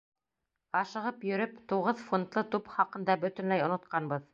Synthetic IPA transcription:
ɑʃɤ̆ʁɤpjɵ̆ɾɵpt̪uʁɤðfont̪lˠɤt̪upχɑqɤ̆nd̪ɑbɵ̆t̪ɵ̆nlæjŏnŏt̪̚qɑnbɤð

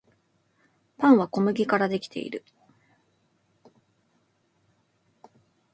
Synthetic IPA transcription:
pãɰ̃βako̞mɯ̟ɡʲikaɾad̪e̞kʲi̥t̪e̞̰ḭɾɯ̟

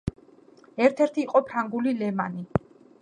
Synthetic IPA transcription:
ɛɾt̪ʰɛɾt̪ʰiːqʼɔpʰɾaŋɡulilɛmani

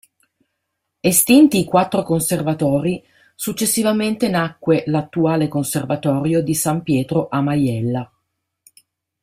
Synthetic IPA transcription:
est̪int̪iːkwat̪ːɾokonservat̪ɔːɾi | sut͡ʃːesːivament̪enakːwelat̪ːuaːlekonservat̪ɔːɾjod̪isampjɛːt̪ɾoʔamajɛlːa

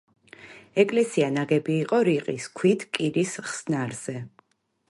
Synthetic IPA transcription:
ɛkʼlɛsianaɡɛbiːqʼɔɾiqʼiskʰwit̪ʰkʼiɾisχsnaɾz̥ɛ

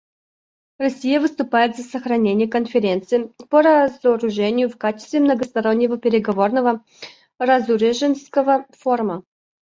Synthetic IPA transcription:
rɐsʲijəvɨst̪ʊpajɪt̪zəsəxɾɐnʲenʲɪjəkənfʲɪɾʲe̞nt̪sɨɪpəɾɐzəɾʊʐɛnʲɪjʊfkat͡ɕɪst̪vʲɪmnəɡəst̪ɐɾo̞nʲːɪvəpʲɪɾʲɪɡɐvo̞rnəvə | rɐzuɾʲɪʐɨnskəvəfo̞rmə

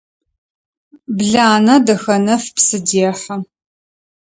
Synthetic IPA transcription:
bɮaːnɐdɐxɐnɐfpsɨdiɛħɐ

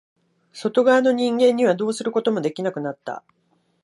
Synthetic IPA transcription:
so̞t̪o̞ɡaano̞ɲ̟ĩŋɡẽ̞ɲ̟ːiβad̪o̞ːsɨɾɯ̟ko̞t̪o̞mo̞d̪e̞kʲinakɯ̟nat̪ːa̰

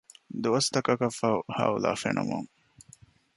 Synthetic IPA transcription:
d̪uɐst̪ɐkɐkɐfɐhaːulaːfenʔṵmoŋ

